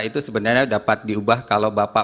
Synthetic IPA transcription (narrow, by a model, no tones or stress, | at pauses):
it̪usəbənarɲadapat̪̚diubahkalawbapa